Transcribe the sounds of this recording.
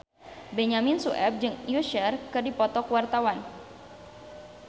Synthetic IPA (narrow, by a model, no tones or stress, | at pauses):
bɛɲaminsuʔɛp̚d͡ʒɨŋijuʃɛrkɨrdipɔt̪ɔkwart̪awan